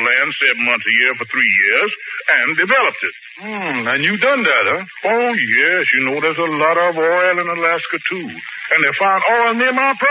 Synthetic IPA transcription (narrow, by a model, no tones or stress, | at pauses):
læ̃nsɛvn̩mʌ̃nsɨjɪɹfə˞θɹijɪɹzɨ̃ndɨvɛlˠəp̚tɨt̚ | m̩ɨ̃njɨdʌ̃nðæt̚ə | oʊjɛsjɨnoʊɾəzəlɔɾʌvɔɪlˠə̃nəlæskɨtʰuɨ̃nðeɪfãɪ̃ndɔlˠɪ̃nðɨ̃mapʰ